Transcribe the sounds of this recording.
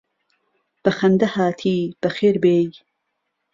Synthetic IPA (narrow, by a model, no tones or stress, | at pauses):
b̥ɐxɐnd̪ɐhaːt̪ʰiːb̥ɐxeːɾbeːj